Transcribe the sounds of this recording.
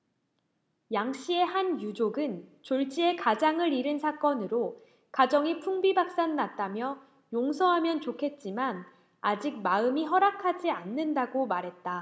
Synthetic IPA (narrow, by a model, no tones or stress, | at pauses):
jaŋɕ͈ie̞hanjud͡ʑoɡɯnt͡ɕoɭt͡ɕ͈ie̞kad͡ʑaŋɯɾiɾɯnsʰak͈ʌnɯɾo | kad͡ʑʌŋipʰuŋbibak̚s͈annat̚t͈amjʌ | joŋsʰʌɦamjʌnt͡ɕokʰe̞t̚t͡ɕ͈iman | ad͡ʑik̚maɯmiɦʌɾakʰad͡ʑianːɯndaɡomaɾɦe̞t̚t͈a